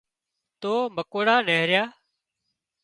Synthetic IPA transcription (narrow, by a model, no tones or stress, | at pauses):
t̪oːməkoːɽaːneːɾjaː